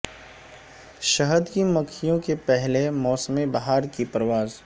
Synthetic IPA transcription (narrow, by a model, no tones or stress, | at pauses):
ʃɐɦəd̪kimɐkʰijõkepɛɦlemɔːsəmebaɦaːɾkipɾəʋaːz